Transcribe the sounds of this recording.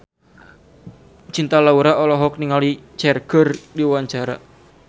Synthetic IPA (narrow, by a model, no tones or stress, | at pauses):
t͡ʃint̪alauɾaɔlɔɦɔk̚niŋalit͡ʃɛrɡ̥ərdiwaɲt͡ʃaɾa